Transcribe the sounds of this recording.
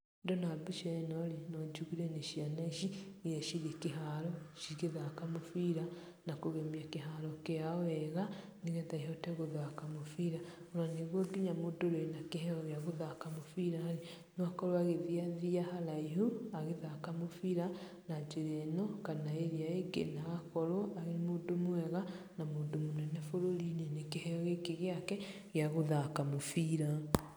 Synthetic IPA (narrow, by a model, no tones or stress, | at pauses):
ndonabiʃenolinod͡ʒuɣiɾeniʃianaiʃijeʃiɾikiɦaloʃiɣeðakamufiɾa | nakuɣemiakiɦalokejaoeɣa | niɣeðaiɦoteɣuðakamufiɾa | uɾaneɣwoɡiɲamudoɾwenakeɦeojaɣuðakamufiɾahali | noakɔɾwaɣeðiaðiahalaiɦuaɣeðakamofiɾa | nad͡ʒeɾɛnɔkanaeɾiaeɡḛnaɣakɔɾɔaɣemodomoɛɣa | namoːndomonɛnɛfoɾolinenekehɛɔɣekeɣeakɛ | ɣjaɣoðakamofiɾa